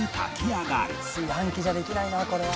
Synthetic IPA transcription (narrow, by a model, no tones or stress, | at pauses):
ika̰kʰiaɡaɾɯ | ãŋkʲiʑad̪e̞kʲinainako̞ɾe̞βa